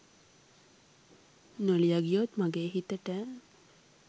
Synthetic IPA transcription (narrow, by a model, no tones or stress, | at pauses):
nolijaɡijot̪maɡeːɦit̪əʈə